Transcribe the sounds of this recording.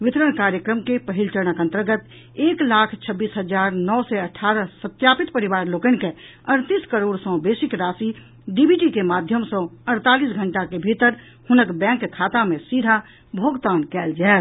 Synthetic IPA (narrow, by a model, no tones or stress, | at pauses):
ʋɪt̪ɾəɳkaːɾjəkɾəmkepəɦilt͡ʃəɾɽ̃əkə̃nt̪ɾəɡət̪ | eːklaːkʰt͡ʃʰəbːiːsɦəd͡ʒaɾnɔsɛəʈʰːaːɾəsət̪japit̪pəɾiʋaːɾloːkənke | əɽ̃t̪iːskəɾoːɽsɔ̃besikɾaːsi | ɖibʱiʈikemad̪ʱjəmsɔ̃əɽ̃t̪alisɡʱəɳʈakebʱit̪əɾ | hʊnəkbɛ̃kːkʰaːt̪amẽsidʱa | bʱoːɡt̪aːnkɛːld͡ʒaet̪